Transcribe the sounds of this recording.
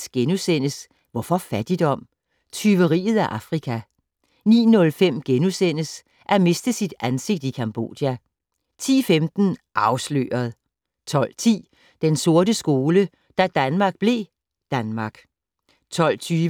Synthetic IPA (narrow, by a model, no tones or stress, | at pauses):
sɡ̥enusen̰əs | ʋɒfɒ̽fæd̥id̥ɒ̽m̰ | t͡sʰyʋəʁḭːð̞̩ˠæʔɑ̈fʁikʰæ | nḭːnɔ̽lfem̰ɡ̥enusen̰əs | ʔæme̝sd̥əsid̥ænse̝ɡ̥̚d̥ikʰɑmb̥o̝̰ːd̥jæ | t͡sʰḭːfemd̥n̩ʔɑ̈ʊslø̰ːɐð̞̩ˠ | t͡sʰɒ̽l̰t͡sʰḭː | d̥enso̝ɐdəsɡ̥o̝ːlə | d̥æd̥ænmɑ̈ːɡ̥̚b̥le̝ | d̥ænmɑ̈ɡ̥ | t͡sʰɒ̽l̰t͡sʰyː